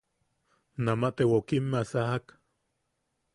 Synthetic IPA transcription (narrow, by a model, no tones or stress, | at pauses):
namaʔt̪ewokimːeasahak